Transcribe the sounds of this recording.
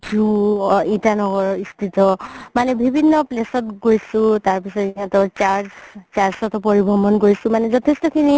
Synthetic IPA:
d͡ʒuintanɔɡɔɹɔist̪ʰit̪ɔmanɛbʱibʱinːɔplesɔtɡojsũtaɹpisɔtiatɔt͡ʃaɹzt͡ʃaɹzɔtɔpɔɹibʱɔmɔnkoɹisũmanɛzɔtʰestɔkʰini

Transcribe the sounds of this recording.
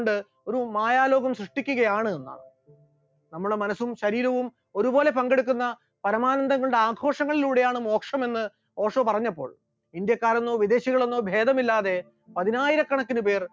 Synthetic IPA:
ɳɖɨ | o̞ɾumaːjaːlo̞ːɡɐmsrɨʂʈikʲːuɣɐjaːɳɨenːɐ̰ | nɐmːuɽemɐnɐsːumɕɐɾiːɾɐʋum | o̞ɾubo̞ːle̞pɐŋɡe̞ɽuk̬ʲːunːɐ | pɐɾɐmaːnɐnd̪ɐŋːɐɭɽeaːɡʰʱo̞ːʂɐŋːɐɭiluːɽe̞jaːɳɨmo̞ːkʂɐme̞nːɨ | o̞ːʂɐpɐrɐɲːɐpːo̞̰ːɭ | ind̪jɐkːaːɾonːoːʋid̪e̞ːɕiɣɐɭonːo̞ːbʱe̞ːd̪ɐmilːaːðe̞ | pɐðinaːjiɾɐkːɐɳɐkːinɨpe̞ːr

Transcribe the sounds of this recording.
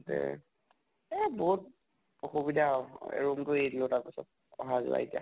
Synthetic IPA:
tɛ̰ | ɛboɦut̚ | xubidʱaɛ̰ɹumtʊedilotaɹpisɔ̰t̚ | ɔɦazṵa̰itia̰

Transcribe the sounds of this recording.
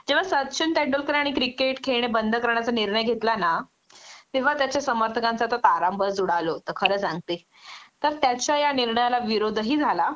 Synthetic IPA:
d͡ʑeʋ̤asət̪t͡ɕʰənʈ̪eɳɖolkəɾaɽ̃ikɾikeʈkʰeɽ̃ebənd̪ʱəkəɾɳjat͡saniɾɳəjɡʱet̪lana | t̪eʋ̤at̪jat͡ɕjasəməɾt̪ʰəkãnt͡sat̪ət̪aɾambʱəd͡zuɽ̤alot̪əɾkʰəɾəːt͡sãŋɡ̚t̪e | t̪əɾt̪jat͡ɕajaniɾɳəjalaʋiɾod̪ʱɦiːd͡zʱala

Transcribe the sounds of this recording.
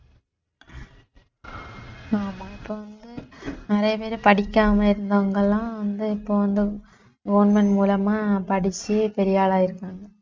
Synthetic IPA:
aːmãːɪpːoːʋɐnd̪ɯnɪɾɐjɐpeːɾɯpɐɽɪkʲːaːmɐɪɾɯnd̪ɐʋɐŋɡɐlːãːʋɐnd̪ɯɪpːoːʋɐnd̪ɯ | ɡɐʋnmɛɳmuːlɐmaːpɐɽɪt͡ʃːɯpɛɾɪjaːlaːɪɾɯkːaːŋɡɐ

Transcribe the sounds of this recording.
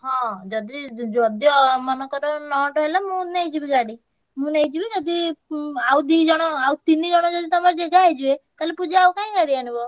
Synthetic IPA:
ɦɔ̃d͡ʒɔd̪id͡ʒɔd̪ijɔmɔnɔkɔɾɔnɔʈɔɦelamũnej̃d͡ʒibiɡaɽi | mũnejd͡ʒibid͡ʒɔd̪iawd̪id͡ʒɔɽ̃ɔawt̪inid͡ʒɔɽ̃ɔd͡ʒɔd̪it̪ɔmaɾd͡ʒeɡaːjd͡ʒuek̪alepud͡ʒeawkãĩɡaɽiaɽ̃ibɔ

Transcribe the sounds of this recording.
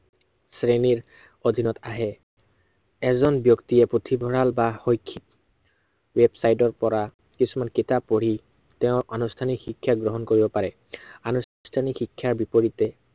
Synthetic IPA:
sɹeniɹ | od̪ʱinɔtaɦɛ | ɛzɔnbjɔktiɛpotʰibʱɔɹalbaxojkʰːit | wɛbsajtɔɹpɔɹa | kisumankitapːoɹi | tɛʊ̃ɹʔanustʰanixikʰːjaɡɹɔɦɔnkoɹibɔpaɹɛ | anu | stʰanikxikʰːjaɹbipoɹitɛ

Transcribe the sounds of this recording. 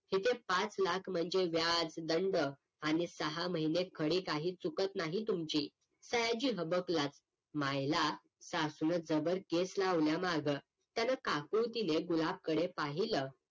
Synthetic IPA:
het̪ẽpat͡slakʰm̤əɳd͡zeʋjad͡zd̪əɳɖə | anisəɦaməɦinekʰəɽikaɦiːt͡sukət̪naɦit̪umt͡ɕiː | səjad͡ʑiːɦəbəklat͡s | majla | sasunəd͡zəbəɾkeslaʋljamaɡə | t̪janakakut̪ineɡulab̚kəɽepaɦilə

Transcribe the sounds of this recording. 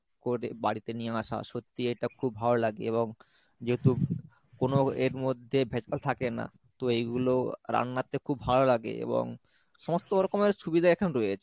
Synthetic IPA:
koɾḛbaɽit̪enijeaʃa̰ʃot̪ːiejʈakʰubʱalolaɡḛeboŋ | d͡ʑeɦot̪u | konoeɾmod̪ʱːebʱet͡ɕalt̪ʰakena̰ | t̪oejɡuloɾa̰nːat̪ekʰubːʱalolaɡḛḛbo̰ŋ | ʃɔmost̪oɾokomeɾʃubid̪ʱaekʰanɾojet͡ɕʰe̥

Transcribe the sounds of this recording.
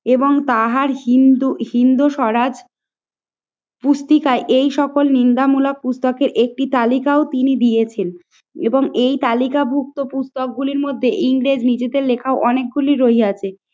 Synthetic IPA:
eboŋt̪aɦaɾɦind̪uɦind̪uʃɔɾad͡ʑ | pust̪ikaeʔejʃɔkolnind̪amulak̚pust̪ɔkeɾʔek̚ʈit̪alikaot̪inid̪ijet͡ɕʰen | eboŋejt̪alikabʱuk̚t̪opust̪ok̚ɡuliɾmod̪ʱːeʔiŋɾed͡ʑnid͡ʑed̪eɾlekʰaoʔɔnek̚ɡuliɾoɦiat͡ɕʰe

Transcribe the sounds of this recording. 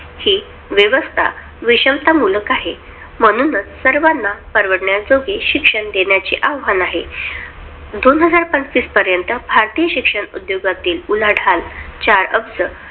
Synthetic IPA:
hi | ʋjəʋəst̪ʰa̰ | ʋiɕəmt̪amuləkaɦe | m̤əɽ̃unət͡ssəɾʋanːapəɾʋəɽɳjad͡zoɡeɕikʂəɳd̪eɳjat͡ɕḭʔaʋɦanaɦe | d̪onɦəd͡zaɾpənt͡st̪iːspəɾjənt̪əbʱaɾt̪ijəɕikʂəɳṵd̪joɡat̪iːlulaɽʱalt͡ɕaɾə̰bd͡zə

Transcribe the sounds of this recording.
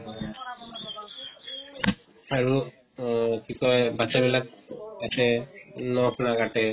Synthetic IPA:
aɹu | kʰikɔjbasɛbilak̚asɛnɔhnaɡatɛ

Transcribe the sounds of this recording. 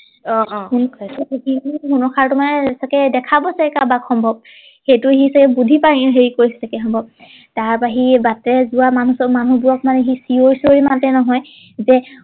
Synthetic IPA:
ɔhunɔikiniɦunɔkʰaɹtumanɛsakɛdɛkʰabɔsɛkabakʰɔmbʱɔb̚ | xejtʊeɦisakɛbudʱipaɦeɹikoɹisɛsakɛxɔmbʱɔb̚ | taɹpaɦibatɛzuwamanusɔmanubuɹɔk̚manɛɦisioɹsoɹimatɛnɔɦɔj | zɛ

